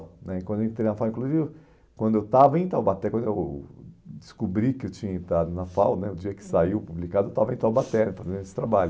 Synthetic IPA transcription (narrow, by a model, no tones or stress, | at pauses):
nɛ̃kwɐ̃d̪eẽt̪ɾejnɐfawĩkluzvi | kwɐ̃nd̪ʊewt̪avɐẽt̪awbat̪ɛkwɐ̃nd̪ʊew | d͡ʒɪskubɾikɪewt͡ʃĩɲɐẽt̪ɾad̪ʊnɐfawɐnɛʊd͡ʒiɐkɪ̥saiwpublikad̪ʊewt̪avɐẽt̪awbat̪ɛɾnɪfazẽnd̪ʊesɪ̥t̪ɾabaʎʊ